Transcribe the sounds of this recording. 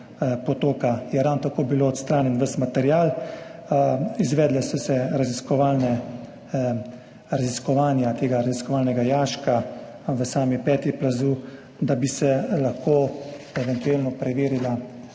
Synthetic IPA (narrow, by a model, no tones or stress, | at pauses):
pɔt̪oːkajɛɾawnt̪akoːbiloːɔt̪st̪ɾaːnjɛnʋəsmat̪ɛɾjaːl | izʋɛːd̪lɛsɔsɛɾaziskɔʋaːlnɛ | ɾaziskɔʋaːnjat̪eːɡaɾaziskɔʋaːlnɛɡajaːʃka | ʋəsaːmipɛːt̪iplazuː | d̪abisɛlaxkʰoːɛʋɛnt̪ueːlnɔpɾɛʋeːɾila